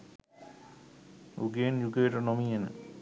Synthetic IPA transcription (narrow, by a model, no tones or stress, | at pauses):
uɡeːnjuɡeʈənomienə̰